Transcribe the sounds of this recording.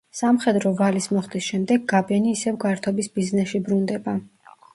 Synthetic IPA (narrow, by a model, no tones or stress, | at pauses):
samχɛd̪ɾɔvalismɔχd̪isʃɛmd̪ɛɡːabɛniːsɛvɡaɾt̪ʰɔbisbiznɛsʃibɾund̪ɛba